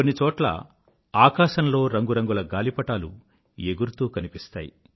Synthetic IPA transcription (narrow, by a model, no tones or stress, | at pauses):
konːit͡ʃɔːʈlɐ̰ | aːkaːʃɐnlo̞ːɾɐŋɡuɾɐŋɡulɐɡaːlipɐʈaːlu | eɡuɾt̪uːkɐnipist̪a̰ːjḭ